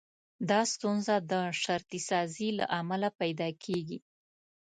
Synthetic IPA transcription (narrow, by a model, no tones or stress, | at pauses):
d̪ɑst̪unzad̪əʃaɾt̪isɑzila̰ʔamalapajd̪ɑkʰeɡi